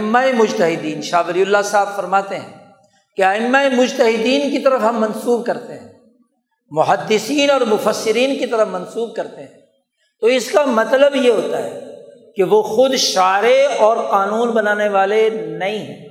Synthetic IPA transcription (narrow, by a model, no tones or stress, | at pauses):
ɪmːaemʊd͡ʒt̪ɐɦɪd̪iːnʃaːbɪɾiʊlːasaːbfɐɾmaːt̪eɦɛ̰̃ː | keaɪmːaemʊd͡ʒt̪əɦɪd̪iːnkit̪ɐɾəfɦɐmːɐ̃nsuːb̚kɐɾt̪eɦɛ̰̃ː | mʊɦəd̪ːɪsiːnɔːɾmʊfəsːɪɾiːnkit̪ɐɾəfmɐ̃nsuːb̚kɐɾt̪eɦɛ̃ː | t̪oɪskamɐt̪ləbjeɦoːt̪aɦɛ̰ːkeʋoːxʊd̪ʃaːɾeɔːɾqaːnuːnbɐnaːneʋaːlenɐĩɦɛ̰̃ː